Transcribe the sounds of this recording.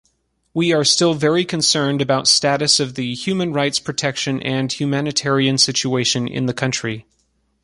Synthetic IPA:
wiə˞stɪlˠvɛɹikʰɨ̃nsɜ̃˞ndɨbaʊtstæɾɨsʌvðɨhjʉmɨ̃nɹaɪtspʰɹ̥ɨtʰɛkʃɨ̃nʔɨ̃nhjʉmænɨtʰɛɹiɨ̃nsɪt͡ʃʉeɪʃɨ̃nʔɪ̰̃nðɨkʰʌ̃nt͡ʃɹ̥i

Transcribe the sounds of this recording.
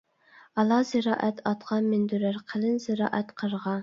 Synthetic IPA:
ɑlˠɑzɪɾɑ̰ːʔɛt̪ʰɑt̪qʰɑmɪnd̪yɾɪɾqʰəlɪnzɪɾɑ̰ːʔɛt̪qʰəɾʁɑ

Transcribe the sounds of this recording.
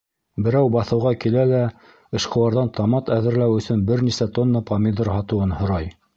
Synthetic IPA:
bɘ̆ɾæwbɑθɤ̆wʁɑkilælæ | ɤ̆ʃqɤ̆wɑɾðɑnt̪ʰɑmɑt̪æðɘ̆ɾlæwɵ̆sɵnbɘɾnisæt̪onːɑpɑmʲid̪ɾhɑt̪ɤ̆wɤnhŏɾɑj

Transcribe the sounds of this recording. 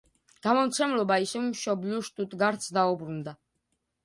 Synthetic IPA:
ɡ̥amɔmt̪sʰɛmlɔbaisɛvmʃɔbliɔʃt̪ʼut̪ʼɡaɾt̪sʰd̪aubɾund̪a

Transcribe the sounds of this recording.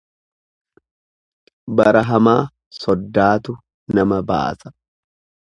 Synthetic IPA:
bɐɾɐɦɐmaː | sɔd̪ːaːt̪ʊ | nɐmɐba̰ːsɐ̥

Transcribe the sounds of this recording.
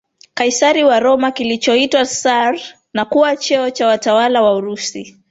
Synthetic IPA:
kaisaɾiwaɾɔmakilit͡ʃɔitwasaɾ | nakuwat͡ʃɛɔt͡ʃawatawalawauɾusi

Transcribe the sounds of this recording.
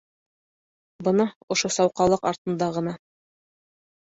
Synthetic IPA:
bɤ̆nɑŏʃosɑwqɑlˠɤqɑɾt̪ɤ̆nd̪ɑʁɤ̆nɑ

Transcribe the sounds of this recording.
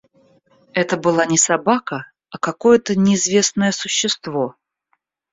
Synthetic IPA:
ɛt̪əbɨlˠanʲɪsɐbakə | ɐkɐko̞jət̪ənʲɪːzvʲe̞snəjəsʊɕːɪst̪vo

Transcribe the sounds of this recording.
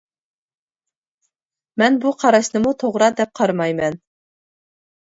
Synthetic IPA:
mænbuqʰɑɾɑsnɤ̆mut̪ʰoʁɾɑd̪ɛp̚qʰɑɾmɑjmɛn

